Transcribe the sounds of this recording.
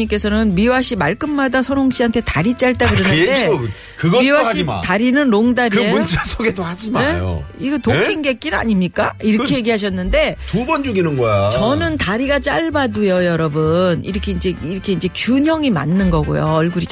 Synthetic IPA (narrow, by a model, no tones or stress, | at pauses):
ɲik͈e̞sʰʌnɯnmiwaɕʰimaɭk͈ɯmːadasʰʌɾoŋɕ͈iɦantʰe̞taɾit͡ɕ͈aɭt͈aɡɯɾenɯnde | kɯɡʌmiwaɕtaɾinɯnɾoŋdaɾiunt͡ɕʰasʰoɡedohad͡ʑinme̞o̰iɡʌtokʰinɡe̞k͈ina̰ɲimɲik͈aiɾʌkʰeje̞ɡiɦaɕʰʌnːɯnde̞tubʌnd͡ʑuɡinɯnɡʌjt͡ɕʌnɯntaɾiɡat͡ɕ͈aɭbadujʌjʌɾʌbɯnḭɾʌkʰe̞ind͡ʑe̞iɾʌkʰe̞ind͡ʑe̞kjuɲʌŋima̰nːɯnɡʌɡo̰jo̰ʌɭɡuɾit͡ɕ